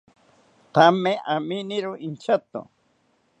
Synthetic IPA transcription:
t̪ameʔaminɪɾʊint͡ʃat̪ʊ̰

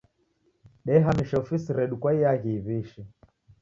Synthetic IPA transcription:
ɗɛɦamiʃɔfisiɾɛɗukwaijaɣiːβiʃɛ

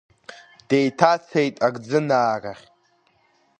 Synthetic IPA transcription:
d̥ejtʰat͡sʰejtʼaɡd͡zɨnaːraχʲ

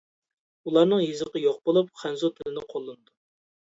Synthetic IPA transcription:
ulˠɑɾnɨŋjizɨqəjoqbolˠup̚χʰænzut̪ʰɪlɪnɪqʰolˠːɨnɨd̪u

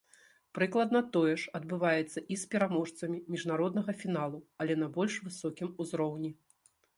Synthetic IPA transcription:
pɾɨklˠɐd̪nɐt̪ɔjɛʂɐd̪̚bɨvajɛt̪sːɐʔispʲɛɾamɔʂt̪sɐmʲimʲiʐnaɾɔd̪̚nɐɣɐfʲin̪alˠuɐlʲɛnɐbɔlʲʂvɨsɔkʲimuzɾɔwnʲi

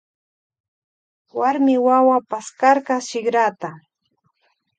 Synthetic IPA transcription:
waɾmɪwawapaskaɾkaʃɪɡɾat̪a

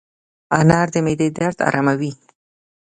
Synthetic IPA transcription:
anɑɾd̪əmed̪ed̪aɾt̪ɑ̰ɾɑmawi

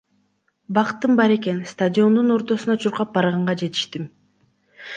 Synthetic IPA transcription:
bɑqt̪ːɯmbɑɾe̞ke̞nst̪adʲo̞nd̪uno̞ɾt̪o̞sunɑt͡ʃʰuɾqɑp̚bɑɾʁɑɴʁɑd͡ʒe̞t̪i̥ʃt̪im

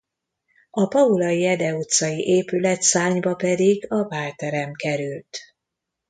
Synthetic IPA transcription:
ɒpɒulɒjiɛd̪ɛut̪sɒjiʔeːpylɛt̪saːɲbɒpɛd̪iɡɒvaːlt̪ɛɾɛmkɛɾylt̪

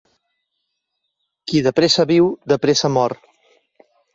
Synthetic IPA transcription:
kiðəpɾesaβiwd̪əpɾesamɔɾ

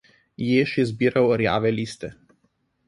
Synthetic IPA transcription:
jeːʃjɛzbiːɾɐwɾja̰ːʋɛlʲiːst̪ɛ

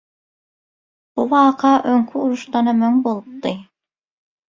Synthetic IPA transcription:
buβɑːqʰɑʔøŋkʰyuɾuʃt̪ɑnɑmøŋbolˠup̚t̪ɯ

